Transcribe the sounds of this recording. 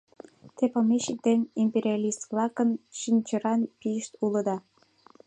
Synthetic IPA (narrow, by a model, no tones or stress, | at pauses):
t̪epəmeɕək̚d̪enʲimpeɾʲiɑlʲist̪vlɑkənʃinʲt͡ɕəɾɑnpijəʃt̪uləd̪ɑ